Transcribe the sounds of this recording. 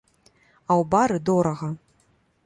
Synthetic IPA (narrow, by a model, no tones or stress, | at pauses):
ɐwbaɾɨd̪ɔɾɐɣɐ